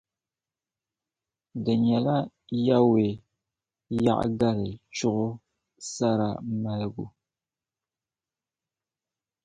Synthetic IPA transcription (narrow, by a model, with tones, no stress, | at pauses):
dɨ˨ɲɛ˨la˦ | ja˦we˨ | ja̰˦ʔɡa˦ɾɨ˨t͡ʃʊ˦ʔʊ˦ | sa˦ɾa̰˨ma˨lɨ˦ɡu˦